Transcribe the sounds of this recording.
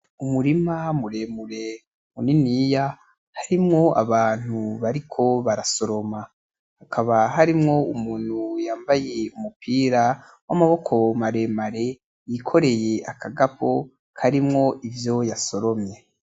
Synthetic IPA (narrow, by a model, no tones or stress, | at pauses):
umuɾimamuɾe̞muɾe̞ | muninija | haɾimŋo̞a̰βaːn̥huβaɾikʰo̞βaɾaso̞ɾo̞ma | hakʰaβaɦaɾimŋo̞umuːn̥hujaːmbaje̞umupʰiːɾa | wamaβo̞kʰo̞maɾe̞maɾe̞ | jikʰo̞ɾe̞je̞akʰaɡapʰo̞ | kʰaɾimŋo̞ʔivjo̞jaso̞ɾo̞mɲe̞